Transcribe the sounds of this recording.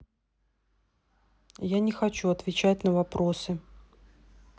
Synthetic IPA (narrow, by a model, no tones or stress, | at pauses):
janʲɪxɐt͡ɕuɐt̪vʲɪt͡ɕætʲnəvɐpɾosɨ